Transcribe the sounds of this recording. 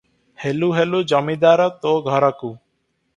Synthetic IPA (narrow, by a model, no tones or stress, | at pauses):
heluɦelud͡ʒɔmid̪aɾɔt̪oɡʱɔɾɔku